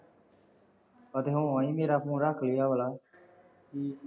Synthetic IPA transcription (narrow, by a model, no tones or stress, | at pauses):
pəd̪eːɦũːaːĩːmeːɾaːkũːɾaːkʰliːjaːʋəlaː